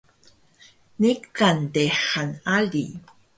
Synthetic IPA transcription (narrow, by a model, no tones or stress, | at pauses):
nikanteħanali